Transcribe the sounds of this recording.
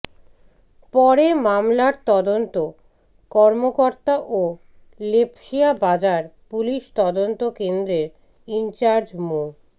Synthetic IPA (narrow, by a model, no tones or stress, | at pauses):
pɔɾemamlaɾt̪ɔd̪ont̪o | kɔɾmokoɾt̪aʔo | lepʰʃiabad͡ʑaɾpuliʃt̪ɔd̪ont̪okend̪ɾeɾ | int͡ɕaɾd͡ʑmo